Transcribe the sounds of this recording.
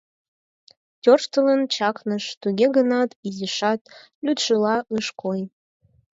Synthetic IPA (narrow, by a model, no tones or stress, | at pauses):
t̪ʲorʃt̪ələnt͡ɕɑknəʃt̪uɡʲeɡənɑt̪iziʃɑt̪ | lʲyt̪ʃɨlɑʔɯʃkʰoj